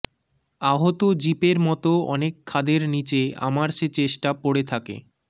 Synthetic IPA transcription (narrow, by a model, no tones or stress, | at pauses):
aɦot̪od͡ʑipeɾmɔt̪oɔnekʰːad̪eɾnit͡ɕea̰maɾʃet͡ɕeʃʈapoɽet̪ʰakḛ